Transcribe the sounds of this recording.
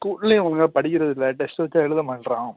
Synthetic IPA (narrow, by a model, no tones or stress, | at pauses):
kuːʈlẽɐnɐŋɡɐɭpɐɽɪkʲːɪɾɐðɪlːɐʈɛsʈʋɐt͡ʃːaːɛɻɯðɐmaːɳɾãː